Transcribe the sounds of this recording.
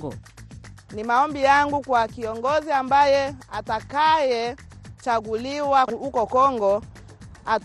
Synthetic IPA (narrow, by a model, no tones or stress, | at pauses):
nimaɔmbijaŋɡukwakiɔŋɡɔziambajɛatakajɛ | t͡ʃaɡuliwahukɔkɔŋɡɔ | a